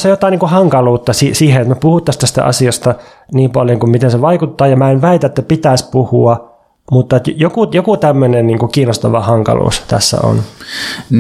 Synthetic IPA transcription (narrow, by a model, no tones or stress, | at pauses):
sejot̪ɑˑiniːkuhɑŋkɑluːt̪ːɑsisiːhenet̪mæpuhut̪ːɑst̪æst̪æ̰ʔɑ̰siɑst̪ɑ | niːmpɑljoŋkummit̪enseʋɑikut̪ːɑːjɑmæːenʋæit̪æet̪ːæpit̪æispuhuɑ | mut̪ːɑt̪jjokujokut̪æmːønenniːŋkukiːnost̪ɑʋɑhɑŋkɑ̰lṵːst̪æ̰sːæ̰o̰n | n